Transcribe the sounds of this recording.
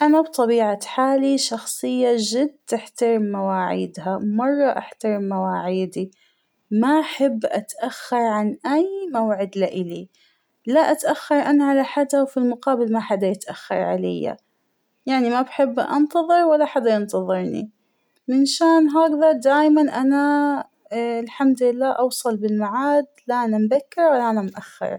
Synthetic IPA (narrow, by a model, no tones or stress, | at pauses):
ʔanabt̪ˤɑbiːʕaħaːliʃɑxsˤɨjːaʒɪd̪t̪ɪħt̪aɾɪmːawaːʕḭːd̪ɦamɑrˤːɑʔaħt̪aɾɪmːawaːʕiːd̪i | maʔaħɪbːʔat̪ʔaxːɑɾˤʕanʔajmawʕɪd̪laʔɪli | laʔat̪ʔaxːɑɾˤʔanaʕalaħad̪awfilmʊqɑːbɪlmaħad̪ajɪt̪ʔaxːɑ̰ɾˤʕa̰la̰jːa̰ | jaʕnimabħɪbːʔɑ̰nt̪ɑðˤɨɾwalːaħad̪ːajɪnt̪ɑðˤɨɾˤnḭ | mɪnʃaːnɦaːɡðɑd̪aːjmanʔana | ɪlħamd̪lɪlːaːʔɑwsˤɑlbɪlmaʕaːd̪laʔanambakːɪɾwalːaʔanamʔaxːɪ̰ɾˤ